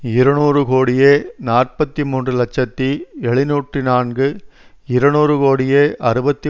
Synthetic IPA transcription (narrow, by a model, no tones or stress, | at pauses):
ɪɾɐɳuːrɯkoːɽɪjeːnaːrpɐt̪ːimuːndrɯlɐt͡ʃːɐt̪ːiɛɭɪnuːʈrinaːnɡɯ | ɪɾɐnuːrɯkoːɽɪjeːʔɐɾɯbɐt̪ːi